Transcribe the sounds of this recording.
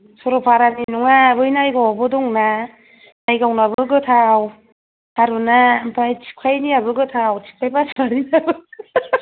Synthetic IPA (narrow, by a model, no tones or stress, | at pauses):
sɔɾɔpʰaɾaninuŋabɯjnajɡawabɯdɔŋna | najɡawnabɯɡɯtʰaw | haɾunampʰajtʰi̥kʰajniabɯɡɯtʰawtʰi̥p̚tajpasʰaɾinabɯ